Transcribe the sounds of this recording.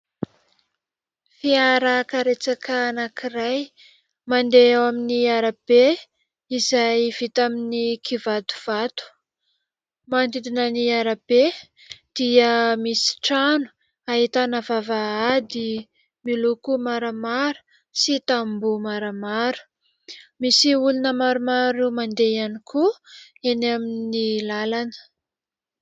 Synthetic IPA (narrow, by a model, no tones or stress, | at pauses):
fiaɾəkaɾet͡sakaanakiraj | mand̪eewaminiaɾab̥e | izajv̥it̪aminikʰivat̪u̥v̥at̪u̥ | mand̪id̪inəniaɾab̥e | d̪̥iəmisi̥ʈ͡ʂanu̥ | aɦit̪anavavaad̪i | milukumaɾəmaɾu̥ | sit̪ambumaɾəmaɾu̥ | misiulunəmaɾumaɾumand̪eanikʰu | enaminilalanə̥